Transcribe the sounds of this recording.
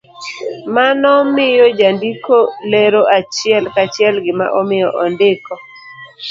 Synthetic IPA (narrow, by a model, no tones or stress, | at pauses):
manɔmɪjɔd͡ʒandikoleɾoʔat͡ʃɪɛlkat͡ʃɪɛlɡɪma̰ʔɔmɪjɔʔɔndɪkɔ